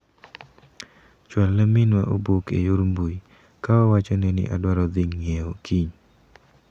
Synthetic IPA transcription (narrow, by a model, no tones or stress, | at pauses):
t͡ʃwalːamɪnwa̰ʔobokḛjoɾmbui | kawawat͡ʃɔnɛnɪ̰ʔadwaɾɔd̪ɪŋːeokʰiɲ